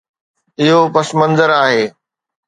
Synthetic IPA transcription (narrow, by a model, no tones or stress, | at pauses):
ɪɦopɐsmɐ̃nzəɾaːɦeː